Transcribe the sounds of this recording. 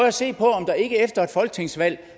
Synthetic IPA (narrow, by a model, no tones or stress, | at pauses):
æse̝̰ːpʰɒ̽ɒ̽md̥ɑ̈e̝ɡ̥əefd̥ɐe̝d̥fɒ̽lɡ̥ə̥t͡sʰe̝ŋ̰sʋæl̰